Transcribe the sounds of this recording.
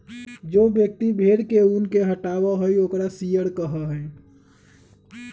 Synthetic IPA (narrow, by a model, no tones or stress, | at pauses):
d͡ʒobjək̚t̪ibʱeɽkeunkeɦəʈawaɦojoːkɾasijəɽkəɦəɦj